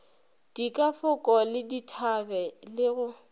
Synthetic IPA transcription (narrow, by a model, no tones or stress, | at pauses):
d̥ikʼafʊkʼɔlɪditʰabɛlɪɣʊ